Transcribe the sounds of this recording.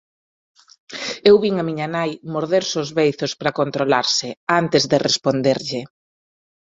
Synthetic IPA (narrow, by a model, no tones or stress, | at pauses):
ewβiŋamiɲanajmoɾðeɾsozβejθospɾakont̪ɾolaɾsɪant̪ɪzðɪrespond̪eɾʎɪ